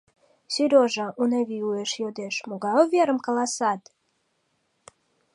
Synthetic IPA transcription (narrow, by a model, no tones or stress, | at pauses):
syɾʲoʒɑʔuneβiueʃjod̪eʃmoɣɑoveɾə̆mkɑlɑsɑt̪